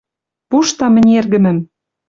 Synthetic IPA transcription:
puʃt̪ɑmɘ̆nʲerɣɘ̆mɘ̆m

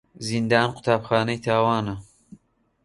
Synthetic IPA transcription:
zind̪aːnqʰʊ̥t̪ʰaːbxɑːnɐjt̪ʰaːwaːnɐ

